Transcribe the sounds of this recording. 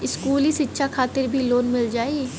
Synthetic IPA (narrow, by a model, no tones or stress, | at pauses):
ɪskuːlisɪtːʃʰakʰaːt̪ɪɾbʱiloːnmɪld͡ʒaːi